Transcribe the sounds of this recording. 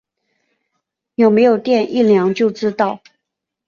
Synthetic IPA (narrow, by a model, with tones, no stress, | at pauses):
jo˨˩ʊme˧˥ɪjo˨˩ʊt̪jɛ˥˧nʔi˥˨ljɑ˧˥ŋt͡ɕjo˥˩ʊʈ͡ʂɻ̩˥t̪ɑ˥˩ʊ